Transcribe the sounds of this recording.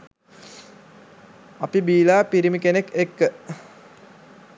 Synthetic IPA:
ɐpibiːlaːpiɾimikenekekːə

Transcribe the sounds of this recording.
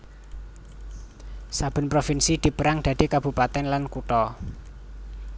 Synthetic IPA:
sab̥ə̤npɾofinsid̪̥i̤pəɾaŋd̥̪a̤d̪̥e̤kab̥ṳpat̪ɛnlankuʈ̪ɔ

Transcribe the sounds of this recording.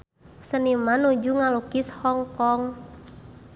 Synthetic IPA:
sənimanud͡ʒuŋalukishɔŋkɔŋ

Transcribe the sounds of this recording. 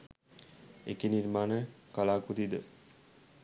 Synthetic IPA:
ḛkiniɾmaːnəkalaːkut̪id̪ə

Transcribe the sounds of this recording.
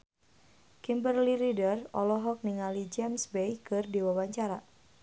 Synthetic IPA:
kimbərliɾidərɔ̰lɔɦɔk̚niŋalid͡ʒɛmsbejkɨrdiwawaɲt͡ʃaɾa

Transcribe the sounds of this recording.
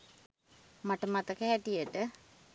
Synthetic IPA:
maʈəmat̪əkəhɛʈijəʈə

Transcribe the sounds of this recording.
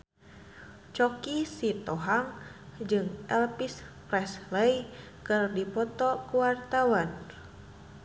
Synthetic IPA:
t͡ʃɔkisit̪ɔɦaŋd͡ʒɨŋʔɛlpispɾɛsləj | kɨrdipɔt̪ɔkuwart̪awan

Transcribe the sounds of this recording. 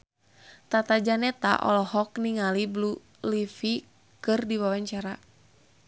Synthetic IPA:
t̪at̪ad͡ʒanɛt̪a̰ʔɔ̰lɔhɔkniŋaliblu | lifi | kɨrdiwawaɲt͡ʃaɾa

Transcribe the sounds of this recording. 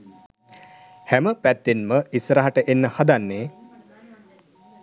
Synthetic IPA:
hæməpæt̪ːinməisɾaɦaʈəʔenːəhad̪anːeː

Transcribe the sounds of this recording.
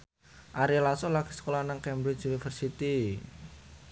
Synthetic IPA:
ʔaɾilasolaɡ̥i̤̥sə̥kolanaŋkɛmbɾɪt͡ʃunifərsit̪i

